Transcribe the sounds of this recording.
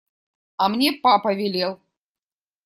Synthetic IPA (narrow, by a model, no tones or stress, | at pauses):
ɐmnʲɛpapɐvʲɛlʲɛw